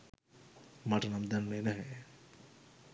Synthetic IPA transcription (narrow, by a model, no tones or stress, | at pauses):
maʈənamd̪anːenɛɦɛ